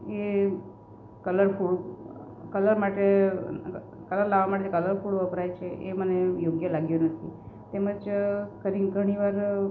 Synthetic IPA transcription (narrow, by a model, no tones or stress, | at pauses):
e | kələɾfuɭ | kələɾmaʈe | kələɾlaʋamaʈed͡ʒekələɾfuɭəpɾajt͡ʃʰeʔḛmənejoɡjəlaɡjonət̪ʰi | t̪eməd͡ʒkəɾiɡʱəɽ̃iʋaɾ